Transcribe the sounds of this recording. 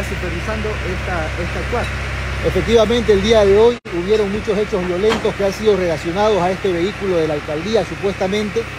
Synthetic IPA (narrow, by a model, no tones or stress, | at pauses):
asupeɾβisand̪o̞ʔest̪aest̪ak̚t̪wale̞fek̚t̪iβamẽnt̪e̞ːld̪iaðe̞o̞j | uβ̞je̞ɾo̞ŋmut͡ʃo̞se̞t͡ʃo̞zβjo̞lẽ̞nt̪o̞ske̞ansiðo̞re̞lasjo̞nað̞o̞sae̞st̪e̞βe̞ikulo̞ðe̞lalkald̪iasupwe̞st̪amẽnt̪e̞